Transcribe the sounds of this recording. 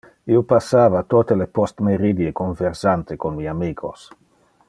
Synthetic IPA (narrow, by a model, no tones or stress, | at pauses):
iopasːaːvat̪oːt̪elepost̪meɾid̪jekoɱveɾsant̪ekonmiːamiːkʰos